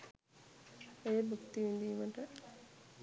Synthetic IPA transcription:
ejəbukt̪iʋind̪iːməʈə

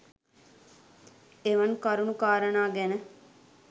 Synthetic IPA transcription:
eʋɐnkɐɾunukaːɾənaːɡɛnə

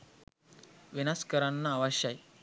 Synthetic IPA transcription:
ʋinaskəɾanːaːʋaɕaj

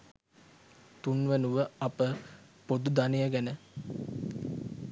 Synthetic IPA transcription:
t̪unʋənuʋəapə | pod̪ud̪anejəɡænə

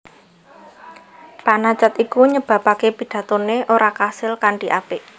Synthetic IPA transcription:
panat͡ʃat̪ikuɲəb̥ä̤pakepid̥a̤t̪oneʔoɾakasɪlkaɳɖiʔapɪʔ

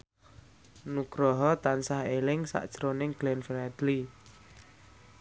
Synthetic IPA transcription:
nuɡ̥ɾɔɦɔt̪ansahelɪŋsa̰ʔd̥ʒ̥ɾonɪŋɡ̥lɛnfɛɾɛd̪̥li

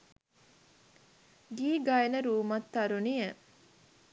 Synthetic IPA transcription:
ɡiːɡɐenəɾuːmɐt̪ːɐɾunie

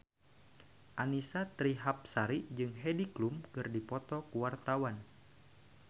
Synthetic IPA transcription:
ʔanisat̪ɾiɦap̚saɾid͡ʒɨŋɦediklumkɨrdipɔt̪ɔkuwart̪awan

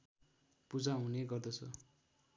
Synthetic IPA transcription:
pud͡zaɦũneɡʌrd̪ʌt͡sʰʌ

